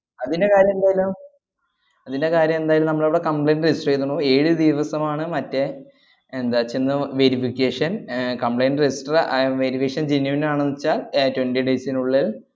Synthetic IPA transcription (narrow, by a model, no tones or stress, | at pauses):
ɐðinde̞kaːɾjɐmend̪aːjlum | ɐðinde̞kaːɾjɐme̞nd̪aːjlumnɐmːɐɭɐʋiɽekɐmpɭejnrisʈrejt̪ːunːue̞ːɻɨd̪iʋɐsɐmaːɳɨmɐtːe | end̪aːt͡ɕːenːɨʋe̞ɾifikʲːeːʂɐnkɐmpɭejnɖrisʈrʋeɾifikːʂɐnd͡ʑinjɐʋinaːɳɐnːit͡ɕːaːltwendiɖeːsinuɭːil